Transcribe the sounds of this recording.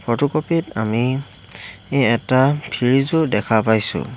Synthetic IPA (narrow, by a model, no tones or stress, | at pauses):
pʰɔtukɔpitami | eɛtapʰiɹizʊdɛkʰapajsʊ̰